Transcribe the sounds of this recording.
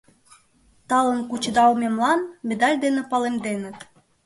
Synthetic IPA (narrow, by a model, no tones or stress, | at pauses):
t̪ɑlə̆nkut͡ɕd̪ɑumʲemlɑnmĕd̪ɑlʲd̪enĕpɑlemd̪enə̆t̪